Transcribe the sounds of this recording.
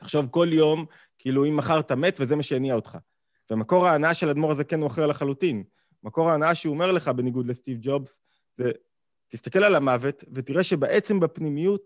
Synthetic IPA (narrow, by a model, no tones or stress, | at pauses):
tḁχʃo̞vko̞ljo̞m | kiiluimːaχaʁt̪ame̞tveze̞maʃejaniaot̪χa̰ | vemako̞ʁaːnaaʃe̞lad̪mo̞ʁaze̞kenuaχelaχalutin | mako̞ʁaːnaaʃeome̞ʁle̞χabe̞niɡud̪lest̪ivd͡ʒo̞bs | ze | tist̪ake̞lalamave̞tve̞tiʁe̞ʃe̞beʔet͡se̞mbapnimijut